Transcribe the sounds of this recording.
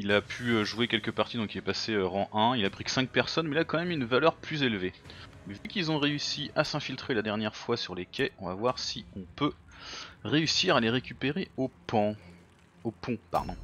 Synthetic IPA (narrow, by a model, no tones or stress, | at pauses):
ilapʰyøʒuekʲɛlkəpaʁt̪id̪ɔ̃kilɛpaseøʁɑ̃ʔɛ̃ilapχi̥sɛ̃k̚pɛʁsɔnmɛilakɑ̃mɛmynvalœʁplyzelve | mɛvekʲilzɔ̃ʁeysiasɛ̃filt̪χelad̪ɛʁnjɛʁfwasyʁlekʲʰɛʔɔ̃vavwaʁsiɔ̃pø | ʁeysiʁaleʁekʲypeʁeopɔ̃ | opɔ̃pa̰ʁd̪ɔ̃